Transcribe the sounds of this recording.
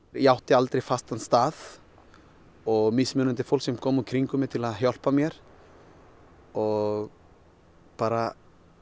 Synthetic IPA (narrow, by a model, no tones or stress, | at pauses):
jawht̪ɪalt̪ɾejfast̪anst̪aːð | ɔɣmɪsmʏːnʏnt̪ɪ̥fowlksɛmkʰɔːmukʰɾiŋkʏmjɛɾt̪ʰɪlaðɦjɔl̥pamjɛɾ̥ | ɔɣ | paːɾa